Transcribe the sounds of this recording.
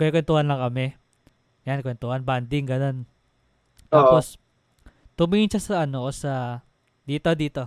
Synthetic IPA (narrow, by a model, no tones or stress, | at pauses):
koʔɛkwɛnt̪uhanlɐŋkɐmɛ | jankwɛnt̪uhanband̪ɪŋɡɐno̞n | t̪aːpos | t̪ʊmiːʔɪnt͡ʃasɐʔɐnoʔsɐ | d̪iːt̪o̞d̪iːt̪o̞